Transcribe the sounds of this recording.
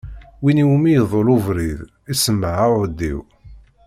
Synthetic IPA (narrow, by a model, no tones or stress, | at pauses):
winiwmijəðˤolʊvɾið | isəmːʕaəd̪ːḭw